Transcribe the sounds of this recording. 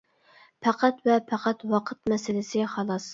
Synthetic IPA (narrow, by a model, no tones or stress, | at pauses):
pʰæqʰæt̪vɛpʰæqʰæt̪wɑqʰət̪mɛsɪlɪsɪχɑlˠɑs